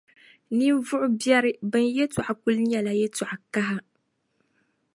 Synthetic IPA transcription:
ni˦m˦vʊ˦ʔʊ˦bjɛ˦ɾɪ˦bɨ˦njɛ˦tu˨ʔa˨ku˦lɲɛ˨la˦jɛ˦ta˨ʔa˨ka˦ɦa˦

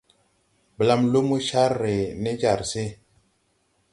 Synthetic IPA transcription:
bə˨la˦mlo˦mu˦ʃa˦ɾːe˨ne˦d͡ʒa˨ɾse˦

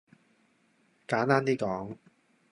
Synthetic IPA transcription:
kaː˨˥nt̪aː˥nt̪iː˥kɔː˨˥ŋ

